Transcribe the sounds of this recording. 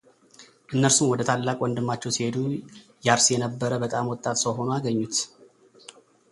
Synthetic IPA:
ʔɨnːəɾsumwɔd̪ət̪ʰalːakʼwɔnd̪ɨmːat͡ʃːɛwsihe̞d̪u | jɛaɾsjɛnəbːəɾəbət̪ʼamwɔt̪ʼːat̪səwɦo̞noaɡəɲːut̪

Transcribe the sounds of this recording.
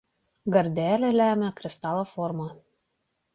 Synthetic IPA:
ɡɐɾʲd̪ʲælʲɛlʲæmʲɛkɾʲɪst̪ɑlˠofoɾmɐ

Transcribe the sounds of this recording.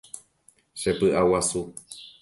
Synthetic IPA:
ʃepɨʔawasu

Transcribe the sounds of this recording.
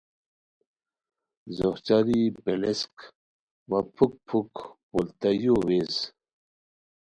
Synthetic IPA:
zoht͡ɕaɾibelesk | wapʰuk̚pʰukpult̪ajowez

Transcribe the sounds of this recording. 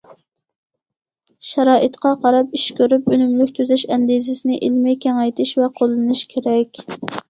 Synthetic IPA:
ʃɛɾɑːʔɨt̪qʰɑqʰɑɾɑpiʃkʲøɾypønymlykʲt̪ʰøzɛʃɛnd̪izɪsɪnɪʔilmɪkʲɛŋɛjt̪ʰɪʃvɛqʰolˠːɨnɨʃkʲʰeɾɛkʲ

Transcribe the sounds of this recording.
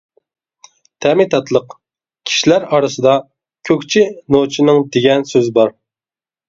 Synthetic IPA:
t̪ʰɛmɪt̪ʰɑt̪ʰlˠəq | kʲʰi̥ʃilæɾɑɾɨsɨd̪ɑ | kʲʰøkʲt͡ʃʰinot͡ʃʰinɪŋd̪eɡʲɛnsøzbɑɾ

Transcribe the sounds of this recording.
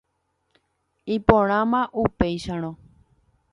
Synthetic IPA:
ipõɾ̃ãmãʔupejʃãɾ̃õ

